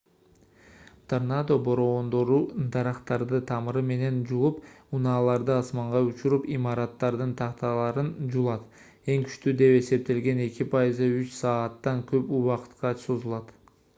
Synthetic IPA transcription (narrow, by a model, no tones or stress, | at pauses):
t̪ʰarnad̪o̞bo̞ɾo̞ːnd̪o̞ɾud̪ɑɾɑqt̪ɑɾd̪ɯt̪ʰɑmɯɾɯme̞ne̞nd͡ʒulˠup | unɑːlˠɑɾd̪ɯɑsmɑɴʁɑut͡ʃuɾupimɑɾɑt̪ːɑɾd̪ɯnt̪ʰɑqt̪ɑlˠɑɾɯnd͡ʒulˠɑt̪ | e̞ŋky̥ʃt̪yd̪e̞pe̞se̞p̚t̪e̞lɡe̞ne̞kʲipʰɑjizɯyt͡ʃsɑːt̪ːɑŋkø̞puwɑqɯ̥t̪qɑso̞zulˠɑt̪